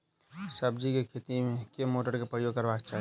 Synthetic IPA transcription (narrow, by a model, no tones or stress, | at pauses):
səb̚d͡ʒikekʰeːt̪imẽkemoːʈəɾkepɾəjoːɡ̚kəɾbaːkt͡ʃaːɦ